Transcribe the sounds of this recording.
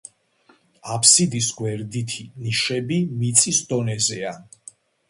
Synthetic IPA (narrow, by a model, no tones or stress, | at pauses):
apʰsid̪isɡwɛɾd̪it̪ʰiniʃɛbimit̪sʼisd̪ɔnɛzɛa